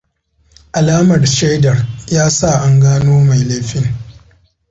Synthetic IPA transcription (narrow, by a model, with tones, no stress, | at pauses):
ʔa˨laː˦mɐ˨rʃe˦jdɐ˨rjaː˦sa˦˨ʔa˨ŋɡaː˦noː˦ma˨jleː˦ɸɪ˦ŋ